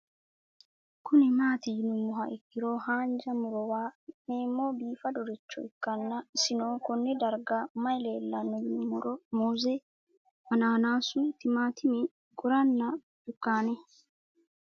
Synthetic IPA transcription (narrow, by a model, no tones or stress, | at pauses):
kʊnɪmaːt̪ɪjɪnʊmːʊɦɐʔɛkːɪɾo̞ːhaːnd͡ʒɐmʊɾɔwaːneːmːoːbiːfɐd̪ɔɾɪt͡ʃːɔ̰ɪkːɐnːɐɪsɪnoːkɔnːɛd̪ɐɾɡamɐjleːlːɐnːɔjɪnʊmːʊɾɔmuːzɛ | ʔɐnaːnaːsʊt̪ɪmaːt̪ʰɪmɛ | ɡʊɾɐnːɐ | d̪̥ʊkːaːnɛ